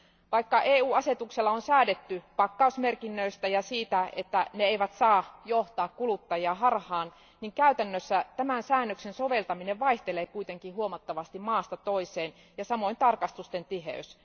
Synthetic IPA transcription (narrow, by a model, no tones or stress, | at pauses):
ʋɑikːɑʔeːuːɑset̪ukselːɑonsæːdet̪ːypɑkːɑusmerkinːøist̪æjɑsiːt̪æet̪ːæneeiʋæt̪sɑːjoht̪ɑːkkulut̪ːɑjiɑɦɑrhɑːn | niŋkæyt̪ænːøsːæt̪æmænsæːnːøksensoʋe̞lt̪ɑmineʋʋɑiht̪eleːkuit̪eŋkihuomɑt̪ːɑʋɑst̪immɑːst̪ɑt̪oiseːn | jɑsɑmoint̪ɑrkɑst̪ust̪ent̪iɦḛys